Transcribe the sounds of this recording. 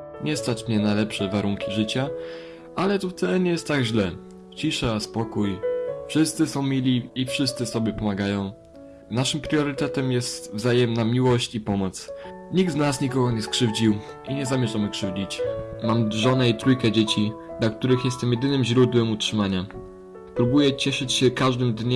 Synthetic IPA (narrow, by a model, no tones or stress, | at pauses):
ɲɛst̪at͡ʂmɲɛnajlɛpʂɛvaɾuŋkʲiʐɘt͡ɕa | ʔalɛt̪uft̪ɛɛɲɛjɛst̪t̪ːaɡʑlɛ | t͡ɕiʂaspɔkujfʂɘst̪sɘsɔ̃w̃mʲilʲiːfʂɘst̪sɘsɔbʲjɛpɔmaɡajɔ̃w̃ | naʂɘmpɾjɔɾɘt̪ɛt̪ɛmjɛst̪vzajɛmnamʲiwɔɕt͡ɕipɔmɔt̪sɲiɡ̚d̪znasɲikɔɡɔɲɛskʂɘvd͡ʑiw | ʔiɲɛzamʲjɛʐamɘkʂɘvd͡ʑit͡ɕmamʐɔnɛit̪ɾujkɛd͡ʑet͡ɕid̪lak̚t̪uɾɘxjɛst̪ɛmjɛd̪ɘnɘmʑɾud̪wɛmutʂɘmaɲa | pɾubujɛt͡ɕɛʂɘt͡ɕɕɛkaʐd̪ɘmd̪ɲ